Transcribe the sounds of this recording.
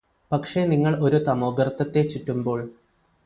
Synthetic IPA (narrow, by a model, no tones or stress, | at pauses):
pɐkʂe̞niŋːɐɭo̞ɾut̪ɐmoːɡɐrɐt̪ːɐt̪ːe̞t͡ɕːitːumbo̞ːɭ